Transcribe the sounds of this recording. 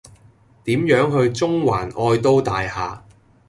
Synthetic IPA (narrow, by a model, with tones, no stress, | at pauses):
t̪iː˨˥mjœː˨˥ŋɦɵ˧ɥt͡sʊ˥ŋwaː˨˩nʔɔː˧jt̪o˥wt̪aː˨jhaː˨